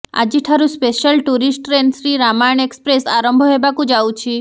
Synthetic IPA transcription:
a̰d͡ʒiʈʰaɾũspeʃəlʈuɾisʈɾensɾiɾamajɳekspɾesaɾəmbʱoɦebakũd͡ʒawũt͡ʃʰi

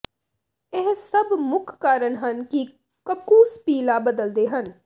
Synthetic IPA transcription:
ɪɦsəbmʊkʰkaːɾəɳɦənki | kəkːuːspiːlaːbəd̪əld̪eːɦən

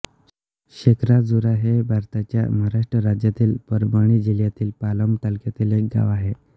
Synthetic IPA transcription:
ɕekʰɾad͡zuɾaɦebʱaɾt̪at͡ɕja̰maɾaʂʈɾəɾad͡ʑjat̪iːlpəɾbəɳ̃iːd͡ʑiljat̪iːlpaləmʈ̪alkjat̪ileɡa̰ʋaɦe

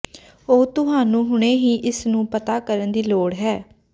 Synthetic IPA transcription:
oːt̪ʊɦaːnũːɦʊɳ̃eːɦiːʔɪsnũːpət̪aːkəɾənd̪iːloːɽɦɛː

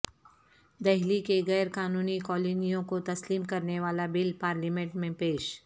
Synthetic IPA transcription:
d̪ɛɦlikeɣɛːɾkaːnuːnikɔːlinijõkot̪ɐsliːmkɐɾneʋaːlabɪlpaːɾlimẽɳʈmẽpeːʃ

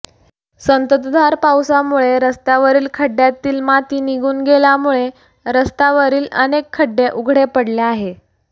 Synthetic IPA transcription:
sənt̪ət̪d̪ʱaɾpawsamuɭeɾəst̪aʋəɾiːlkʰəɖjat̪iːlmat̪iːniɡuːnɡeljamuɭe | ɾəst̪aʋəɾiːlə̰nekʰːəɖːeʔuɡʱɽepəɽleaɦe

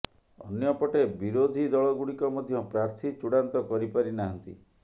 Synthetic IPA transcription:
ɔ̰njɔpɔʈebiɾod̪ʱid̪ɔɭɔɡuɽikɔmɔd̪ʱjɔpɾaɾt̪ʰit͡ʃuɽant̪ɔkɔɾipaɾinaɦɔnt̪ḭ

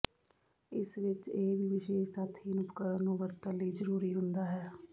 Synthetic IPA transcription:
ɪsʋɪt͡ʃeːʋiːʋɪʃeːʃt̪at̪ʰiːnʊpkəɾənũːʋəɾt̪ələiːzəɾuːɾiːɦʊnd̪aːɦɛː

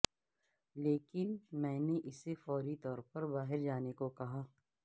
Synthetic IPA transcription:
leːkɪnmɛ̃ːneʔɪsefɔːɾit̪ɔːɾpɐɾbaːɦɪɾd͡ʒaːnekokɐɦaː

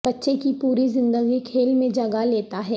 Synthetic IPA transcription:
b̥ɐtːʃekipuːɾizɪ̃nd̪əɡikʰeːlmẽd͡ʒɐɡaleːt̪aɦɛː

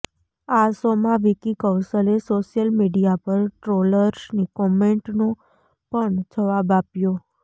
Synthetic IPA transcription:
asomãʋikikəw̃səlesoʃjəlmiɖijapəɾʈɾoləɾsnikɔmeɳʈno | pəɳd͡ʒəʋabapjo

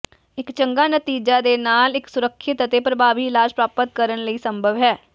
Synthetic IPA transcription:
ɪkt͡ʃəŋɡaːnət̪iːd͡ʒaːd̪eːnaːlɪksʊɾəkʰːɪt̪ət̪epɾəbʱaːʋiːlaːʃpɾaːpət̪̚kəɾənləiːsəmbʱəʋɦɛː

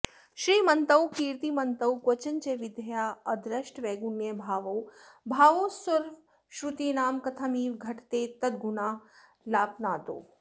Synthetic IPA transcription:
ʃɾiːmɐnt̪ɐwkiːɾt̪iːmɐnt̪ɐwkwɐt͡ʃɐnt͡ʃeʋɪd̪ʱɐjaːɐd̪ɾɐʃʈʋeːɡunjebʱaːʋowbʱaːʋoːsɐɾʋ | ʃɾut̪iːnaːmkɐt̪ʰɐmiːʋɡʱɐʈʰt̪eːt̪ɐt̪̚ɡunaː | laːpnaːt̪o̰ː

